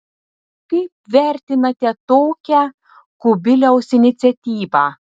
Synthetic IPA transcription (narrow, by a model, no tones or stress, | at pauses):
kɐɪp̚ʋʲæˑɾʲt̪ʲɪnɐt̪ʲɛt̪oːkʲæ | kʊbʲɪlʲɛʊsɪnʲɪt̪sʲɛt̪ʲiːʋɑː